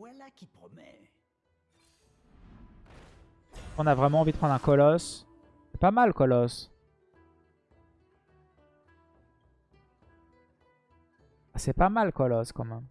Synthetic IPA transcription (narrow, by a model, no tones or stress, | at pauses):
walakʲipχɔmɛ̰ | kɔ̃navʁɛmɑ̃ːvid̪əpχɑ̃d̪ʁɛ̃kɔlɔs | ɛpamalkɔlɔs | asɛpamalkɔlɔskɑ̃mɛm